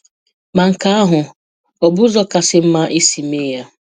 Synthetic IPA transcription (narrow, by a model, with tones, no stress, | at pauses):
ma˨ŋ̩˨ka˦a˦ɦʊ˨ | ɔ˨bʊ˦zɔ˦ka˨sɪ˦m̩˦ma˦ʔi˦si˨me˦ja˦